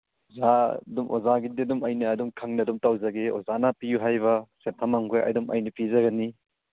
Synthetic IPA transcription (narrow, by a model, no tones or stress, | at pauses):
zadumʔo̰zaɡididumɐjnɐːdumkʰɐŋnɐdumtawzɐɡeo̰zanɐpijuɦajβɐsetʰamaŋɡojʔɐ̰dumɐ̰jnɐpizɐɡɐni